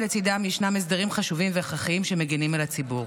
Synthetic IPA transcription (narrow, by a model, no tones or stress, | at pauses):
let͡sid̪amjiʃnames̬daʁimχaʃuvimveχaχiimʃemeɡinimelat͡sibuʁ